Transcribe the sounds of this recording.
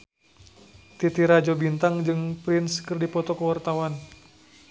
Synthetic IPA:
t̪it̪iɾad͡ʒobint̪aŋd͡ʒɨŋpɾɪnskɨrdipɔt̪ɔkəwart̪awan

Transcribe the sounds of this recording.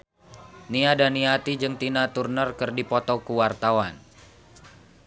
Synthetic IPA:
niadaniat̪id͡ʒɨŋt̪inat̪urnərkɨrdipɔt̪ɔkuwart̪awan

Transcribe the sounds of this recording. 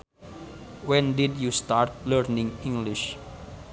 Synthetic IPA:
wɛ̃ndidjust̪aɾt̪̚ləɾnĩŋĩŋɡliʃ

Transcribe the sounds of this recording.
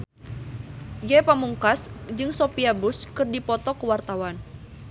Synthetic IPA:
d͡ʒɛpamuŋkasd͡ʒɨŋsopiabuskɨrdipɔt̪ɔkəwart̪awan

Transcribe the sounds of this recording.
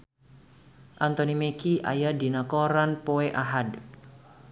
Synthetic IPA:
ʔant̪ɔnimekʰiʔa̰jad̪i̤nakɔɾanpoeʔaɦad

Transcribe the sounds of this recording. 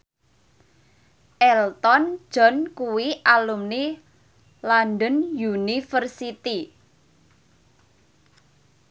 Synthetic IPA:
ʔɛlt̪ɔn̥ʒ̥ɔ̤nkuwiʔalumni | lanɖɔnjunifərsit̪i

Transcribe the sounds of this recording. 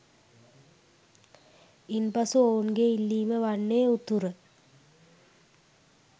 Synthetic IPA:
inpɐsuoːnɡeilːiːməʋɐɳːeːut̪urɨ

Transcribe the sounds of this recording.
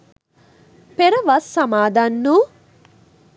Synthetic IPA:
peɾɐʋɐsːɐmaːd̪ɐnːu

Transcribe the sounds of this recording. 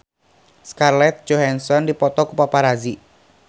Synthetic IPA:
skarlɛt̪̚d͡ʒohansɔndipɔt̪ɔkupapaɾazi

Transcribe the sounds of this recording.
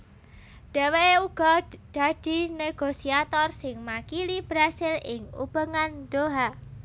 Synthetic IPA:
ɖ̥eweuɡ̥ɔd̪̥a̤d̥i̤neɡ̥osiat̪ɔrsɪŋmakilib̥ɾasɪlɪŋṵb̥əŋand̪̥oɦa

